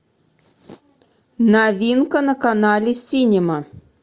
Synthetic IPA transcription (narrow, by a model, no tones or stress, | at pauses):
navʲinkənəkanɑlʲɪsʲinʲɪmə